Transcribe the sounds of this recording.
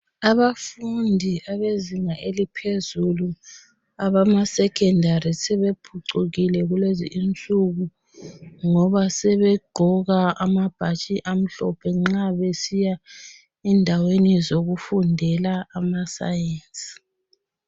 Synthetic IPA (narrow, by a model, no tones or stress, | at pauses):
aβafundʱiaβeziŋaʔelipʰezulu | aβamasɛkʰɛndʱaɾisɛβepʰuǀuɣilɛɣulwezḭʔint͡ɬʼuɣu | ŋɔβasɛβɛɡ͡ǃʱɔɣaamab̥ʱat͡ʃʼiʔam̩ɬɔpʰɛŋ͡ǁaβesija | ɛndʱawenizoɣufundʱɛlaːmasa̰jeːnsʼi̥